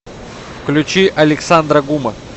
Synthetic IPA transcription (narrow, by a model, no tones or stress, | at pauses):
klʲʊt͡ɕiʔɐlʲɪksand̪ɾəɡumə